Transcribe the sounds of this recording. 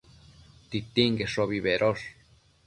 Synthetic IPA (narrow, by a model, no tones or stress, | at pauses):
t̪it̪iŋɡeʂoβiβeɾʔoʂ